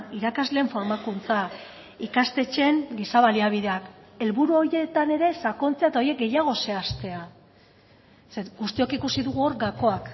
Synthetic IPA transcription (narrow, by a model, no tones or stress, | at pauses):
iɾakazle̞ːɱfo̞ɾmakunt͡sa | ikast̪e̞t͡ʃe̞ŋɡisaβaliaβ̞iðe̞ake̞lβuɾuo̞je̞t̪ane̞ɾe̞sako̞nt͡seaet̪ao̞je̞k̚ɡe̞jaɣ̞o̞se̞ast̪e̞a | seɡust̪io̞kikusiðuɣuoɾɡako̞ak